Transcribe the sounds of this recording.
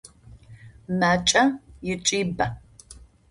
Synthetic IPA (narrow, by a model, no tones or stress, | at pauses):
maːt͡ʃʼɐjɪt͡ʃʼiːbɐ